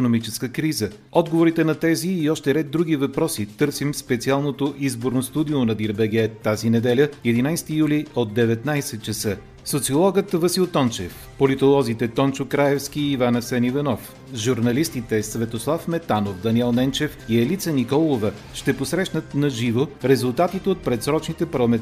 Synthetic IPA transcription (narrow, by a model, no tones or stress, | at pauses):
ikonomit͡ʃɛskəkɾizə | ɔd̪ɡovoɾit̪ɛnɐt̪ɛziːɔʃt̪ɛɾɛd̪ːɾuɡ̟ivɐpɾɔsit̪ɤɾsimspɛt̪sialˠnot̪oʔizboɾnost̪ud̪ionɐd̪iɾbɛɡɛt̪ːazinɛd̪ɛlʲəɛd̪inajst̪ijuliod̪̚ːɛvɛt̪najsɛt̪̚t͡ʃɛsɤ | sot̪siolˠɔɡət̪vəsilˠt̪ɔnt͡ʃɛ̰f | polit̪olˠɔzit̪ɛt̪ɔnt͡ʃʊkɾaɛfskʲiːvanɐsɛnivɐnɔf | ʒuɾnɐlist̪it̪ɛsvɛt̪oslˠafmɛt̪anofd̪ɐniɛlˠnɛnt͡ʃɛfiɛlit̪sənikɔlˠovə | ʃt̪ɛposɾɛʃnət̪nɐʒivoɾɛzulˠt̪at̪it̪ɛot̪̚pɾɛt̪sɾɔt͡ʃnit̪ɛpɐɾlˠɐmɛ